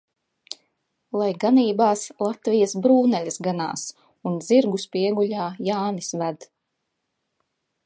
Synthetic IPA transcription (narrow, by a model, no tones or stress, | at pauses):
lˠajɡaniːbaːslˠat̪vijasbɾuːnɛlʲɐsɡana̰ːs | unziɾɡuspiɛɡuʎʲaːjaːnisvæd̪